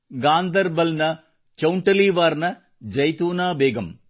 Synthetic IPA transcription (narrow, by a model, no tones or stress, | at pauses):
ɡaːnd̪ɐɾbɐlnɐ | t͡ʃɐwʊɳʈɐliːʋaːɾnɐ | d͡ʒɐjt̪uːnaːbeːɡɐm